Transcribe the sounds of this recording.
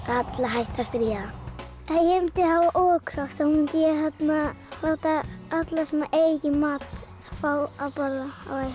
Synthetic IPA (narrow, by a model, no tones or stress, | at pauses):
kat̪laɦajht̪ast̪ɾiːa | ajɛɛmt̪ɪhavaʔɔːkʰɾaxt̪ahumɪnt̪ɪjɛɦat̪naawt̪aat̪lasɛmaʔejjɪmaːt̪ | fawapalaa̰waj